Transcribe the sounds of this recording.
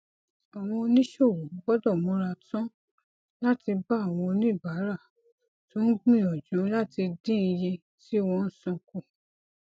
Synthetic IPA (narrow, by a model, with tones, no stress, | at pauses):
a˨w̃ɔ̃˧o˧nĩ˦ʃo˦˨wo˨˦ɡ͡bɔ˦dɔ˦˨mõ˨˧˦ɾa˧tɔ̃˦ | la˦ti˧ba˦a˨w̃ɔ̃˧o˧nĩ˦˨ba˨˦ɾa˦˨ | to˨˦n̩˦ɡ͡bĩ˦˨ɔ˨d͡ʒũ˨˦la˦ti˧dĩ˦˧je˧ | ti˦wɔ̃˧n̩˦sɔ̃˧˨ku˦˨